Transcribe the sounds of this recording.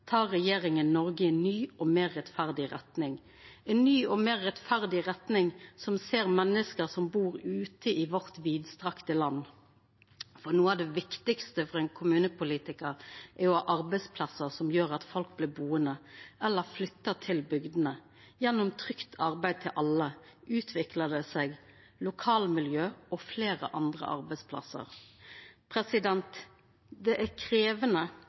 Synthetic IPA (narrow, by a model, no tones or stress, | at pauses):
t̪ʰɑːʁːɛjeːɾɪŋənːɔɾɡəɛnnyːɔmeːʁːɛt̪fæʁd̪ɪʁɛt̪nɪŋ | ɛnnːyːɔmeːʁːɛt̪fæʁd̪ɪʁɛt̪nɪŋsɔmseːʁmɛnːəskəɾsɔmbuːʁʉːt̪əɪʋɔʁt̪ʋiːd̪st̪ʁɑkt̪əlɑnː | fɔʁnuːəɑʋd̪ɛʋɪkt̪ɪkst̪əfɔʁɛnkʰʊmʉːnəpʰʊliːt̪ɪkəɾʔæɾjʊɑʔɑɾbæɪspʰlɑsəɾsɔmjøːɾɑt̪fɔlk̚blɪːbuːənəʔɛlːəɾflʏt̪ːət̪ʰɪlbʏɡd̪ənə | jɛnːʊmt̪ʰʁʏkt̪ʰɑɾbæɪd̪̚t̪ʰɪlʔɑlːəʔʉːt̪ʰʋɪkləd̪ɛsɛɪɡ | lʊkʰɑːlmɪljøːɔfleːɾə̰ʔɑnd̪ʁə̰ʔɑ̰ɾbæɪspʰlɑ̰sə̰ɾ | pʰɾɛsɪd̪ɛnt̪ | d̪ɛʔækʰɾeːʋənə